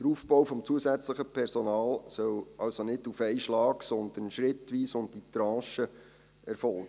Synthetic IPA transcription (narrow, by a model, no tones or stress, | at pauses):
d̥əɾuːfbɔwfɔmt͡suəsæt͡sləχəpʰɛrsonɑːlsœlɑwsonɪdufɛɪʃlɑːksɔnd̪ənʃrɪtʋiːsʊndditɾɑ̃ːʃə | ɛɾfɔlɡ̥ə